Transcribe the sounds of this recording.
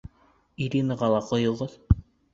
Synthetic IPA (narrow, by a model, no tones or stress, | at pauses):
iɾʲinəʁɑlˠɑqŏjŏlˠʁoð